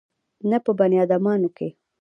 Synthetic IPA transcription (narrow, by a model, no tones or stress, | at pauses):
napəbanjɑd̪amɑnoke